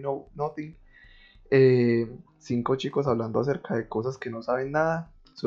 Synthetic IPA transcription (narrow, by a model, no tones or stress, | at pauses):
nonot̪iŋɡ | e | siŋko̞t͡ʃiko̞s̬aβland̪oas̬e̞ɾkaðe̞ko̞saske̞no̞saβenːaða | so